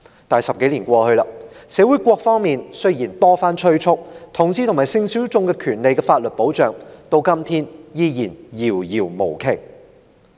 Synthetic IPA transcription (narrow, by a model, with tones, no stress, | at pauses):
t̪aː˨˩jsɐ˨p̚ke˨˥jliː˨˩nkʷɔː˧hɵ˧lɐ˧sɛː˨˥wu˨˥jkʷɔː˧k̚fɔː˥ŋmiː˨nsɵ˥ɥjiː˨˩nt̪ɔː˥faː˥nt͡ʃʰɵ˥ɥt͡sʰʊ˥k̚t̪ʰʊ˨˩ŋsiː˥t̪ʰʊ˨˩maː˨˩jsɪ˧ŋsy˨˥wt͡sʊ˧ŋkɛ˧kʰyː˨˩nle˨jkɛ˧faː˧t̚lɵ˨t̚po˨˥wt͡ʃœː˨ŋt̪o˧wkɐ˥mt̪ʰiː˥njiː˧jiː˨˩njiː˨˩wjiː˨˩wmo˨˩wkʰe˨˩j